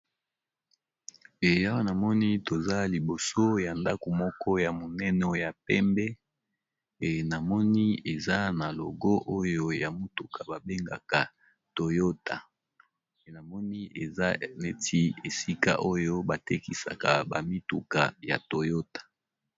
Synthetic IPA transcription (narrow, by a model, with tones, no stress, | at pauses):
e˨ja˦wa˦na˨mɔ˦ni˦to˨za˦li˨bo˨so˦ja˨nda˦ko˨mɔ˦kʰɔ˦ja˨mo˨nɛ˦nɔ˦ja˨pɛ˦mbɛ˦ | e˨na˨mɔ˦ni˦e˨za˦na˨lo˨ɡɔ˦ʔo˦jo˦ja˨mu˦tu˨kʰa˨ba˨be˦ŋɡa̰˨ka˨ | to˨jo˦tʰa˨ | na˨mɔ˦ni˦e˨za˦ne˦tʰi˦e˨si˦ka̰˦ʔo˦jo˦ba˨te˦ki˨sa̰˨ka̰˨ba̰˨mi˦tu˨ka˨ja̰˨to˨jo˦tḁ˨